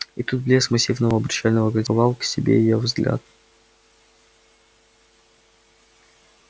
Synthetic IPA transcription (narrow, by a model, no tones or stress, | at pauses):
it̪ut̪̚blʲesmɐsʲivnəvəɐbɾʲɪt͡ɕalʲnəvəɡəlʲzʲəvɑlˠksʲɪbʲḛjɪjovzɡlʲʔa̰t̪̚